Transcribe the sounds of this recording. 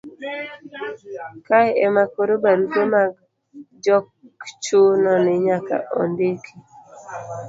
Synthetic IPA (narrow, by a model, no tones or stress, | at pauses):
kajɛmakoɾobaɾutomaɡ | d͡ʒɔkt͡ʃonɔnɪɲaka̰ʔo̰ndikʰi